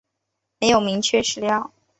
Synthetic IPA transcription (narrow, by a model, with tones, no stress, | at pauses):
me˧˥ɪjo˨˩ʊmi˧˥ŋt͡ɕʰɥɛ˥˧ʂɻ̩˥˧ljɑ˥˩ʊ